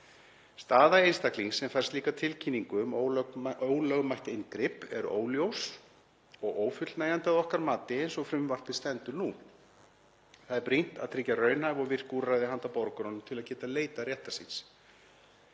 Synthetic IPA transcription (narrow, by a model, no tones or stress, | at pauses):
st̪aːðaeːjnst̪akliŋsɛmfɛr̥st̪liːkat̪ʰɪlcʰinːiŋkʏmooːwlœɣmajht̪ɪnkɾɪpɛɾo̰ːwljows | ɔɣoːwfʏt̪lnaːjant̪ɪaðɔhkaɾmaːt̪ɪejnsɔɣfɾʏmvar̥t̪vɪst̪ɛnt̪ʏɾnu | θaðɛɾpɾin̥t̪aðt̪ʰɾɪcːarœːɥnhajvɔɣvɪr̥kurajðɪɦant̪apɔɾkʏɾɔnʏmt̪ʰɪlaðcɛːt̪aleːjt̪arjɛht̪asins